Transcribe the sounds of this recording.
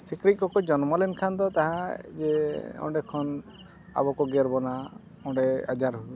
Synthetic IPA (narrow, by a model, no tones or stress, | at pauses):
sikɾit̪̚kɔkɔd͡ʒɔnmɔlɛnkʰand̪ɔt̪aɦãd͡ʒeɔ̰̃ɖɛkʰɔn | a̰bɔkɔɡɛɾbɔna | ɔ̃ɖɛa̰d͡ʒaɾɦu